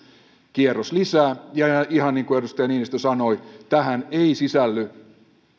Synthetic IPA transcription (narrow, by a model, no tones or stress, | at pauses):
kierːoslisæːjɑiɦɑnːiːŋkuedust̪ɑjɑniːnist̪øsɑno̞it̪æhæneisisælːy